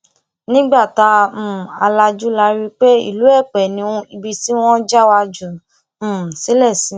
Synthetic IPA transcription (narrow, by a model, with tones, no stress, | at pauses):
nĩ˦ɡ͡ba˦˨tã˧˨a˧la˧d͡ʒu˦la˧ɾi˦k͡pe˦ḭ˦˨lu˨˦ɛ˦˨k͡pɛ˨nĩ˧˦ũ˧i˧bi˧ti˦w̃ɔ̃˦d͡ʒa˦wa˧d͡ʒũ˨ | si˨˦lɛ˦˨si˨˦